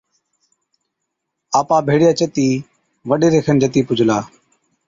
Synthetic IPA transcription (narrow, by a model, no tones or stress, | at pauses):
aːpaːbʱeːɽɪjaːt͡ʃət̪iː | ʋəɗeːɾeːkʰənd͡ʒət̪iːpʊd͡ʒʱlaː